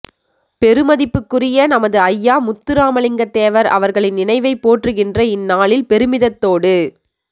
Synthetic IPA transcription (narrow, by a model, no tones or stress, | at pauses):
pɛɾɯmɐðɪpːɯkːɯrɪjɐnɐmɐðɯɐjːaːmʊt̪ːɯɾaːmɐɭɪŋɡɐt̪ːeːʋɐɾɐ̰ʋɐɾɣɐɭɪnːɪnɐɪʋɐɪpːoːʈrɯɣɪndrɐɪnːaːɭɪlpɛɾɯmɪðɐt̪ːoːɽɯ